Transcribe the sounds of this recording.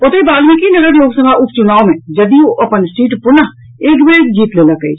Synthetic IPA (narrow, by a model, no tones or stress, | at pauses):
ot̪ebaːlmẽkinɐɡəɾjoːɡsəmaʔʊp̚t͡ʃʊnaːomẽd͡ʒɐd̪ioʔɐpənsʈiːʈpʊnəɦ | eːkbeːd͡ʒiːt̪leːlakəḭt͡ʃʰ